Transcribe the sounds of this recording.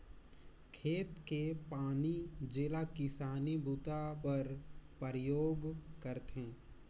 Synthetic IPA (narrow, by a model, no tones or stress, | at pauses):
kʰeːt̪kepaːnid͡ʒelakɪsaːnibʱuːt̪apəɾpəɾəjoːɡkəɾt̪ɦẽː